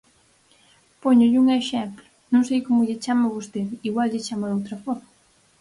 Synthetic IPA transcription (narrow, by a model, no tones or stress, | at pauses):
poɲʊʎɪuŋeʃɛmplʊnõŋsejkomʊʎɪt͡ʃamɐβost̪eðiɣwalʎɪt͡ʃamɐðowt̪ɾɐfɔɾmɐ